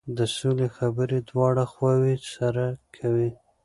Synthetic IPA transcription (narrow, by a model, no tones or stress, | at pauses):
d̪əsolexabəɾed̪wɑɽaxwɑwisaɾakʰawi